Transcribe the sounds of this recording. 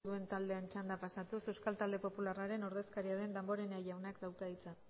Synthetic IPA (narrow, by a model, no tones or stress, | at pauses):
ðue̞nt̪ald̪e̞ant͡ʃand̪apasat̪usewskalt̪ald̪e̞po̞pularaɾe̞no̞ɾðe̞skaɾiaðe̞nd̪ambo̞ɾe̞najʝawnakd̪awkaðit͡sa